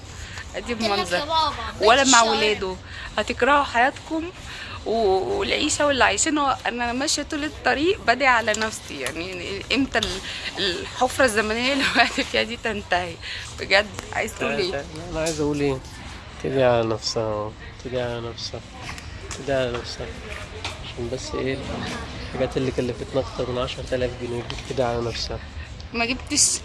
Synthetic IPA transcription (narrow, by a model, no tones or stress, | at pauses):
ʔæd̪ibmɑnzˤɑɾˤwælːæmaʕwelæːd̪o | hæt̪ekɾˤɑhoħajæːt̪kom | weelʕiːʃæwelːiʕajʃiːnoʔenːʔænæmæʃæt̪ulet̪ˤːɑɾiːʔbæd̪æʔʕalænæfsija̰ʕniʔemt̪ælelħofɾˤɑzːæmænelewæʔt̪ifiːhæd̪iːt̪ænt̪æhibeɡæd̪ʕa̰ːjezʔæʔuːlʔeːlæʔænæʕaːjezʔæʔuːlʔeː | t̪ed̪iʕalænæfsæh | t̪ʰed̪iʕalænæfsæh | t̪ed̪iʕalænæfsæʕaʃæːnbæsːʔeː | ħaɡæːt̪elːikælːefet̪næʔɑkt̪ɑɾˤmenʕɑʃɑɾˤt̪ælæːfɡineːib̚t̪ed̪iʕalænæfsæh | mæɡebt̪eʃ